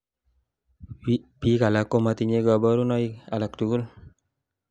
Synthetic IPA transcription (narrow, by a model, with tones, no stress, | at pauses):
pi˦ka˨la˨˦kːo˦ma˧t̪i˧ɲe˦ɡa˧bɔ˦ɾu˦nɔ˦i˦a̰˨la˨ktu˨ɡu˦l